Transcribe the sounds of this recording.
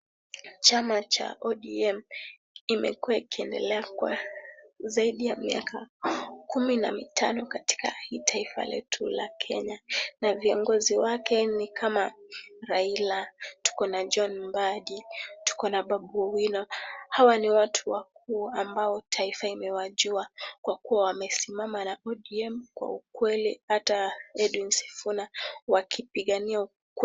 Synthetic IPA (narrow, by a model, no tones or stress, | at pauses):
t͡ʃamat͡ʃa̰ʔɔɗiɛm | imʔɛ̰kuwaikiɛndɛ̰lɛakwa̰ | zaiɗijamiakakumina̰mitʰanɔkati̥ka̰hitʰaifa̰lɛ̰tʰulakʰɛɲanaviɔŋɡɔziwakɛnikʰamaɾailatu̥kɔnad͡ʒɔnbaɗitu̥kɔnaɓaɓɔwinɔhawaniwatʰuwak̚uːambaɔtʰaifaimɛwaʄuakwakuwawamɛsimamanaɔɗiɛmkwa̰ukwɛlḭhataɛdwinsɛ̥funawakʰipiɠaniau | kw